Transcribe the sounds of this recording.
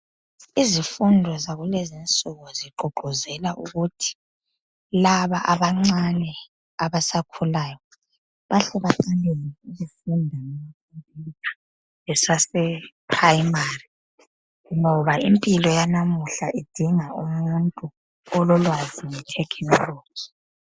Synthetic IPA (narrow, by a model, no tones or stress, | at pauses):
izifundʱɔzaɣulɛzint͡sʼuɣɔziǃɔɡ͡ǃʱɔzɛlaʔuɣutʰi̥ | laβaʔaβaŋ͡ǀanɛ | aβasakʰulaːjɔ | βaɬɛβaǃaleniizifundʱanɛmakʰumpʼiḁ | ɛsasɛpʰrajimari | ŋɔβaimpʼilɔjanamuɬaʔid̥ʱiŋaumuntʼu | ɔlɔlwazimitʰɛkʰɛŋro̥ːi̥